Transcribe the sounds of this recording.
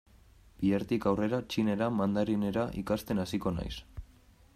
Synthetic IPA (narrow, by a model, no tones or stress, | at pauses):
b̥ieɾt̪ikawre̞ɾat͡ʃine̞ɾamand̪aɾine̞ɾaʔikast̪e̞nasiko̞na̰js